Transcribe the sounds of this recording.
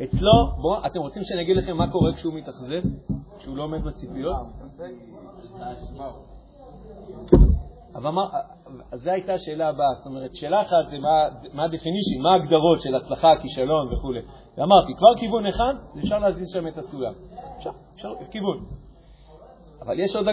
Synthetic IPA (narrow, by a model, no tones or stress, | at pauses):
et͡slo̞boʔate̞mʁot͡simʃe̞naɡid̪laχe̞mːako̞ʁekʃeumit̪aχze̞fkʃeulo̞ːme̞d̪bat͡sipijo̞t | avma | azeajtaːʃe̞ːlaːbast̪o̞me̞ʁet̪ʃe̞ːlaːχat̪zemamaːd̪efiniʃinmaːɡd̪aʁo̞tʃe̞lat͡slaχakiʃalo̞nveχule | veamaʁt̪ikvaʁkivuneχadzefʃaʁleazizʃame̞tasulamefʃaʁeʃaʁkivun | ava̰ljeʃoda